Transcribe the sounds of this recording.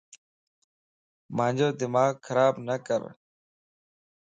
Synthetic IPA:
mãːɲd͡ʒoːd̪ɪmaːɡxʰəɾaːbnəkə̰ɾ

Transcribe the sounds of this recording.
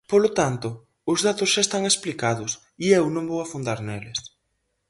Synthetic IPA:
polot̪ant̪ʊ | ʊzðat̪ʊsʃaest̪aŋesplikaðʊs | iewnõŋbowafund̪aɾnelɪs

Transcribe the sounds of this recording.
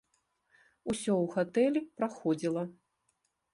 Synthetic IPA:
usʲɔwɣat̪ɛlʲipɾaxɔd͡zʲilˠɐ

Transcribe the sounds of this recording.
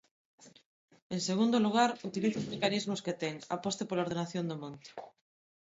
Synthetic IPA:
eŋseɣ̞und̪oluɣ̞aɾut̪iliθozmekanizmʊsket̪ɛŋa̰post̪epolaoɾð̞enaθjond̪omõnt̪e̥

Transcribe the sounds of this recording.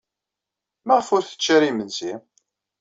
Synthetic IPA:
maʁfʊɾθə̥t͡ʃːæɾimənzim

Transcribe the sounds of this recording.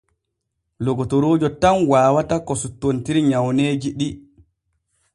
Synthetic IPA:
lɔɡɔtɔɾoːd͡ʒɔtanwaːwatakɔsutːontiɾiɲawneːd͡ʒiɗi

